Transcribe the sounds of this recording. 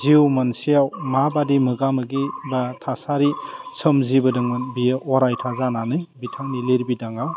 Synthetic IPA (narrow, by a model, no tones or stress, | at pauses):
ziwmansijawmabadimɯɡamɯɡibatʰasaɾisɯmzibɯdɯŋɯbiɔɾajtʰazananɯjbitʰaŋnileɾbidaŋa